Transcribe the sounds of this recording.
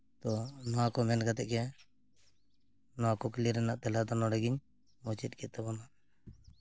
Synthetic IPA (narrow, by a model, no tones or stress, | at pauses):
t̪ɔnɔwakɔmɛnɡat̪ɛʔkɛ | nɔwakɔkɛliɾɛnaʔt̪ɛlad̪ɔnɔɽɛɡiɲ | mɔt͡ʃɛt̪̚ˀkɛt̪ːɛbɔnaʔ